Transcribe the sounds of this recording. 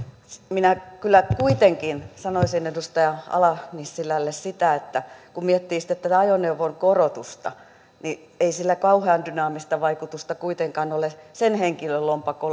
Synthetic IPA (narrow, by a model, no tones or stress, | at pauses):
sminækylːækuit̪eŋkinsɑnoisinedust̪ɑjɑɑ̰lɑnisːilælːessit̪æet̪ːækummiɛt̪ːiːsi̥t̪ːˑet̪ːæt̪æɑjoneuʋoŋkorot̪ust̪ɑ̰ | ni | eisilːækɑuheɑndynɑːmist̪ɑʋɑikut̪ust̪ɑkuit̪eŋkɑnolesenheŋkiløllompɑko